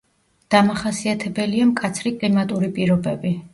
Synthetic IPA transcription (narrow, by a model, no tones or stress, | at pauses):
d̪̥amaχasiat̪ʰɛbɛliamkʼat̪sʰɾikʼlimat̪ʼuɾipʼiɾɔbɛbi